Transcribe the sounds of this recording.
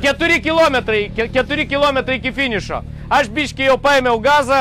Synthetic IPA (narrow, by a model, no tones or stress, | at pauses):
kɛt̪uɾikilˠɔmɛt̪ɾɐikekɐt̪uɾikilˠɔmɛt̪ɾɐikifiɲuʃɔ̰ | aʒbiʃkɨewpɐjmɛwɣazɐ